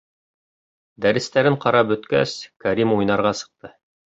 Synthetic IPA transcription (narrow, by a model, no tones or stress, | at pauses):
d̪æɾɘ̆st̪æɾɘɴqɑɾɑp̚bɵ̆t̪kæ̰skæɾʲimujnɑɾʁɑsɤ̥̆q̚t̪ɤ